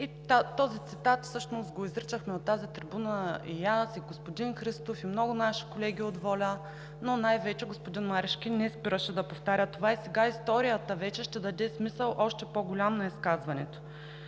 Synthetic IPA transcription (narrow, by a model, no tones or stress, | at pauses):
it̪at̪ɔzit̪sit̪at̪fsɤʃnost̪ɡoizɾit͡ʃəxmɛot̪ːazit̪ɾibunəḭjasiɡospod̪inxɾist̪ofimnɔɡʊnaʃi̥kolɛɡʲiod̪vɔlʲə | nonajvɛt͡ʃɛɡospod̪inmaɾɛʃkʲinɛspiɾəʃɛd̪ɐpoft̪aɾʲət̪ovaisɛɡaist̪ɔɾijət̪əvɛt͡ʃɛʃt̪ɛd̪ɐd̪ɛsmisəlˠʔɔʃt̪ɛpoɡʊlʲamnɐiskazvɐnɛt̪o̥